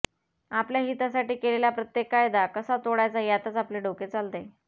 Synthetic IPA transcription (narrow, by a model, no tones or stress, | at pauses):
apljaɦit̪asaʈiːkeleljapɾət̪jekajd̪akəsat̪oɽajt͡sajat̪ət͡sapleɖoket͡salt̪e